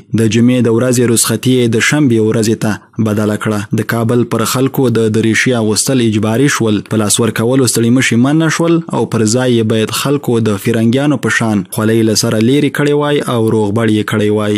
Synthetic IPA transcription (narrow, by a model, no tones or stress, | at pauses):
d̪əd͡ʒumed̪əwɾazeɾuzxat̪ijed̪əʃambewɾazet̪a | bad̪alakɽad̪əkɑbəlpəɾxalkod̪əd̪əɾiʃiaɣust̪əlɪd͡ʒbɑɾiʃwəlpəlɑswəɾkawəlost̪aɽiməʃimanːaʃwəla̰wpəɾzɑjːebɑjad̪xalkod̪əfiɾaŋɡjɑnopəʃɑnxwaləjlasaɾaleɾekəɽewɑjʔawɾoɣbaɽjekəɽejwɑj